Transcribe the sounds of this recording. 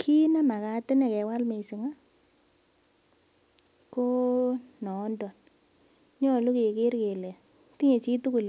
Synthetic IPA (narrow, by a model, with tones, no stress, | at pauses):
kʰi˦na˦ma˨ka˨tɪ˦nɛ˨kɛ˨wa˦lme˨si˨ŋa˦ | ko˦nɔ˨˦ndɔ˨n | ɲɔ˦˨lu˦ke˨ke˦ɾke˨le˨ | ti˦ŋe˨t͡ʃi˦tu˦ku˨l